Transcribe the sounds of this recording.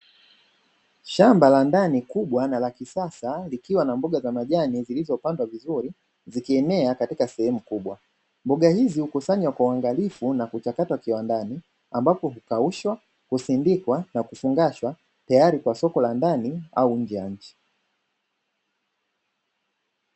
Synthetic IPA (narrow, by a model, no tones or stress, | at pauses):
ʃambalandanikuɓwanalakisasalikiwanambuɠazamaʄanizilizɔpandwavizuɾi | zikiɛnɛakatikasɛhɛmukuɓwa | mbɔɠahizihukusaɲwakwawaŋɡalifunakut͡ʃakatwakiwandani | ambapɔɦukauʃwa | kusindikwanakufuŋɡaʃwa | tajaɾikwasɔkɔlandania̰uɲ̩d͡ʒɛjaɲ̩t͡ʃi̥